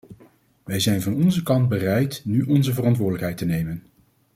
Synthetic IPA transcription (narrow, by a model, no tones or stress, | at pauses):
ʋɛjzɛjnvɑnɔnzəkɑnd̚bərɛjtnyʔɔnzəvərɑntʋʊːdələkɦɛjtənejmən